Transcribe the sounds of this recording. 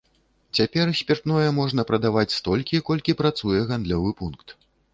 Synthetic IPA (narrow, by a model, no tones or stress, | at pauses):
t͡sʲapʲɛrsʲpʲɛrt̪nɔjɛmɔʐnɐpɾɐd̪avat͡sʲst̪ɔlʲkʲikɔlʲkʲipɾat̪sujɛɣand̪lʲɔvɨpunkt̪